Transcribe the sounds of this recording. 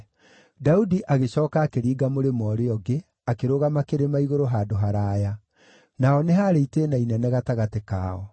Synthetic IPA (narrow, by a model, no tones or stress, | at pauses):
daudiʔaɣeɕɔːkakeɾiːɡamoɾemɔɾeɔɡe | akeɾoɣamakeɾemaiɣoɾoɦaːdoɦaɾaːja | naɔneɦaɾeiteːnainɛnɛɣataɣateka̰ːɔ